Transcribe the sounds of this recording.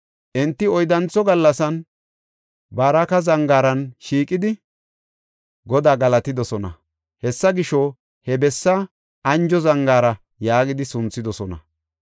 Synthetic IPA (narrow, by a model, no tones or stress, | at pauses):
ʔɛnt̪ːɪɔjd̪ɐnt͡sːɔɡɐlːɐsɐn | baːɾɐkɐzɐŋɡaːɾɐnʃiːkʼːɪd̪ɪ | ɡɔd̪aːɡɐlɐt̪ɪd̪ɔsɔnɐ̰ | hɛsːɐɡɪʃɔ | hɛbɛsːɐ | ʔɐnd͡ʒɔzɐŋɡaːɾɐ | jaːɡɪd̪ɪsʊnt͡sːɪd̪ɔsɔnɐ̰